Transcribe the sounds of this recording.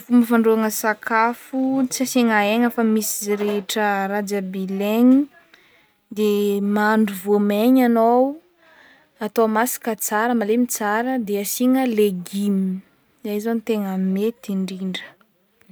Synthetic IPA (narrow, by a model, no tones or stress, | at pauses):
fuməfaɳɖ͡ʐuaŋəsakafut͡saseŋaeŋəfəmisizɾeʈ͡ʂərad͡ʒabileɲi | d̪emaɳɖ͡ʐuvomeɲanow | at̪omasi̥kət͡saɾəmalemit͡saɾəd̪easiŋəleɡimi | zaizonit̪eŋammet̪iɳɖ͡ʐiɳɖ͡ʐə̥